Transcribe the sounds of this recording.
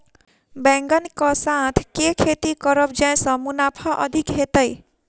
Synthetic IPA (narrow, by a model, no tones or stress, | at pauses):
bɛ̃ŋɡənkɔsãt̪ʰkekʰet̪ikəɾəbd͡ʒãj̃sʌ̃munapʰaʔə̰d̪ʱikɦet̪əj